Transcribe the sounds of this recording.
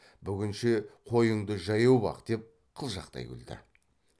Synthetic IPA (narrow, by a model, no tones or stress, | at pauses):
bʏɡʲɪnʃɪqʰo̞jəɴd̪əʒɑjɑwbɑ̰qd̪̥e̞p̚ | qʰəlˠʒɑqt̪ɑ̰jɪ̰ld̪ɪ̰